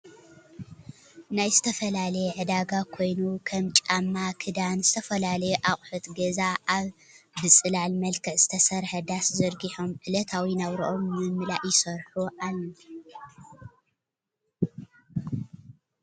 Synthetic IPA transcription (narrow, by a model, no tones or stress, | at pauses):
najzɨt̪ʰɐfɐlalɐjɛʕɨd̪aɡakʰo̞jnukʰɐmt͡ʃʼamːakʰɨd̪anzɨt̪ʰɐfɐlalɐjeʔaχʼħut̪ɡɐzaʔaβ | bɨt͡sʼɨlalmɐlkʰɨʕzɨt̪ʰɐsɐɾħɐd̪aszɨɾɡiħomʕɨlɐt̪ʰawinaβɾo̰ʔomːɨmːɨlaʔjɪsɐɾħuʔalːɐ